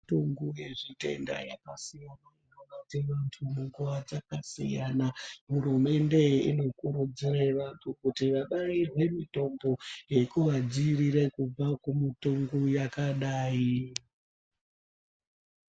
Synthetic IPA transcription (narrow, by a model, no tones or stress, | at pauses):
toŋɡuje̞ʐite̞̰nda̰ja̰kasijanainaʋatiʋantʰumuŋɡuʋad͡zakasijanaɦurume̞nde̞ḭno̞kuɾud͡ziraiʋantʰukutiʋaɓairwe̞mito̞mbo̞je̞kuʋad͡ziriɾe̞kub͡vakumitoŋɡujakaɗaːi